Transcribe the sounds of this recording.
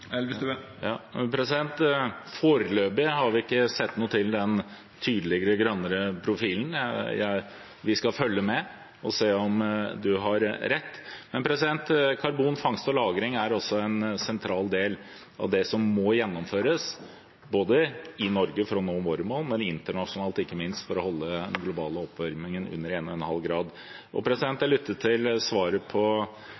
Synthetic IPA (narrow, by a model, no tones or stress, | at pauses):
jɑpʰɾɛsɪd̪ɛnt̪foːɾəløːbɪɦɑɾʋɪɪkːəsɛt̪ːnuːət̪ʰɪld̪ɛn | t̪ʰyːd̪əlɪɡəɾəɡɾœnːəɾəpʰɾʊfiːln̩jæ̰ɪ | ʋɪskɑfœljəmɛ | ɔseːɔmd̪ʉɦɑɾɾɛt̪ːmɛnpʰɾɛsɪd̪ɛnt̪kʰɑɾbuːnfɑŋst̪ɔlɑːɡɾɪŋæɾɔsːɔɛnsɛnt̪ʰɾɑːld̪eːl | ɑʋd̪ɛsɔmːɔjɛnːɔmføːɾəs | boːd̪əɪnɔɾɡəfɾɔnoːmoːɾəmoːlmɛnɪnt̪əɳɑʂʊnɑːlt̪ɪkːəmɪnst̪fɔɾɔhɔlːəd̪ɛnɡlʊbɑːləɔpʋæɾmɪŋənʉ̰nːəɾeːnɔɛnhɑlɡɾɑːd̪ | ʔɔ̰pʰɾɛsɪd̪ɛnt̪æɭʏt̪ʰːət̪ʰːɪlsʋɑːɾəpʰɔ